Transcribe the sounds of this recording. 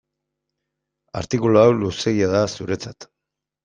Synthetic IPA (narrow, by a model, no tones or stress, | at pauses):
a̰ɾt̪ikuloawluse̞ɣiaðasuɾe̞t͡sat̪